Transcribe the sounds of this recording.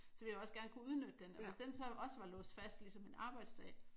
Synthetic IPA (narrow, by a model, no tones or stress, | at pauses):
sɒ̽ʋi̝lɒ̽sɡ̥æɐnəkuuð̞ˠnød̥ə̥ːenɒʋe̝sd̥ensɒ̽ʔɒ̽səʋɑ̈lɔ̰ːsd̥fæsd̥lisɒ̽menɑ̈ːb̥ɑ̈ɪd̥sd̥ɛ̰ː